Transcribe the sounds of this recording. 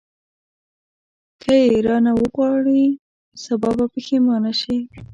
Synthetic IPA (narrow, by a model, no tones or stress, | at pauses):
kʰəjeɾɑnawəɣwɑɽi | sabɑbapəxemɑnaʃi